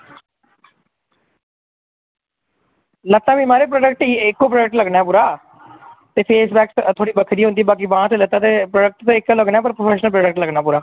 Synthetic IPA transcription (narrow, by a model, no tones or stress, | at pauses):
lət̪ːaːʋĩːmaːɾeːp̬ɾoːɖək̚ʈːɪkːoːpɾoːɖək̚ʈləɡnaːɛːpuːɾaː | t̪eːpʰeːsbɛːkst̪ʰoːɽiːbəkʰd̪iːɦõnd̪iːbaːk̬iːbãːt̪ːlət̪aːt̪eːpɾoːɖək̚ʈt̪ːɪkːləɡnãːɛːp̬əɾpɾopʰɛːʃnəlpɾɔːɖək̚ʈləɡnaːpuːɾaː